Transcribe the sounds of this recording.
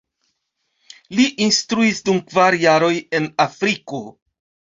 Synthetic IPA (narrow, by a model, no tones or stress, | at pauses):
liʔinstɾuisdumkvaɾjaɾo̞je̞nafɾiko̞